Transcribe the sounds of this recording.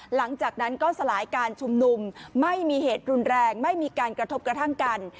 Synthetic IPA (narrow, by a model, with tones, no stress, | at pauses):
la˩˦ŋt͡ɕaː˨˩k̚na˦˥nkɔː˥˩sa˧laː˩˦jkaː˧nt͡ɕʰu˧mnu˧mːa˥˩jmiː˧ɦeː˨˩t̪̚ɾu˧nɾɛː˧ŋma˥˩jmiː˧kaː˧nkɾa˧t̪ʰo˦˥p̚kɾa˧t̪ʰa˥˩ŋka˧n